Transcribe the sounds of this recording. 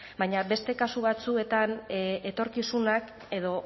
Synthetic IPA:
bajɲaβe̞st̪e̞kasuβat͡sue̞t̪anet̪o̞ɾkisunak | e̞ðo̞

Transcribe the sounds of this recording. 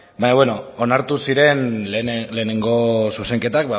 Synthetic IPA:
baɲaβweno̞onaɾt̪usiɾe̞nle̞ːne̞ŋɡo̞suse̞ŋke̞t̪ak̚ba

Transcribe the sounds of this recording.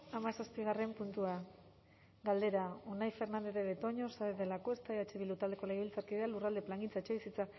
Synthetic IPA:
amasaspiɣ̞are̞mpunt̪ua | ɡald̪e̞ɾao̞najfe̞ɾnand̪e̞ɾeβe̞t̪o̞ɲo̞saeðelako̞est̪ajat͡ʃeβilut̪ald̪e̞ko̞leɣβilt͡saɾkiðealurald̪e̞plaŋɡint͡saet͡ʃeβisit͡sa

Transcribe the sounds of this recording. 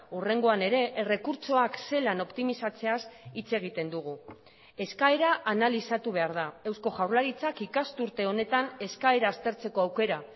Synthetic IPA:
ure̞ŋɡo̞ane̞ɾe̞ʔere̞kuɾt͡so̞akse̞lano̞pt̪imisat͡se̞asit͡se̞ɣ̞it̪e̞nd̪uɣ̞u | e̞skae̞ɾaʔanalisat̪uβ̞e̞aɾðae̞wsko̞ʝawɾlaɾit͡sakikast̪uɾt̪e̞o̞ne̞t̪ane̞skae̞ɾaːst̪e̞ɾt͡se̞ko̞awke̞ɾa

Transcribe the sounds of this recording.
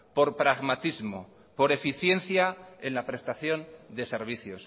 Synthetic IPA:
po̞ɾpɾaɣmat̪izmo | po̞ɾe̞fiθje̞nθjae̞nlapɾe̞st̪aθjo̞nd̪e̞se̞ɾβ̞iθjo̞s

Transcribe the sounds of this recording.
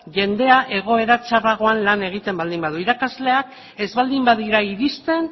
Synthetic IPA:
ʝe̞nd̪e̞aʔe̞ɣ̞o̞e̞ɾat͡ʃaraɣ̞o̞anlane̞ɣ̞it̪e̞mbald̪imbaðuiɾakazle̞ak | e̞zβald̪imbaðiɾaiɾist̪e̞n

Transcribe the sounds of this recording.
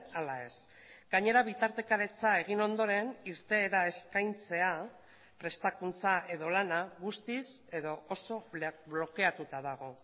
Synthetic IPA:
alae̞s | ɡaɲe̞ɾaβ̞it̪aɾt̪e̞kaɾe̞t͡sae̞ɣ̞ino̞nd̪o̞ɾe̞niɾt̪e̞ːɾae̞skajnt͡se̞a | pɾe̞st̪akunt͡saʔe̞ðo̞lanaɣust̪ise̞ðo̞oso̞βlo̞ke̞at̪ut̪aðaɣ̞o̞

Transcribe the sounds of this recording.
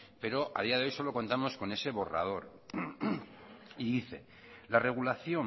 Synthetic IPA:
pe̞ɾo̞ʔa̰ðiaðe̞o̞jso̞lo̞ko̞nt̪amo̞sko̞ne̞se̞βo̞ra̰ð̞o̞ɾ | iðiθe̞̰ | lare̞ɣ̞ulaθjo̞

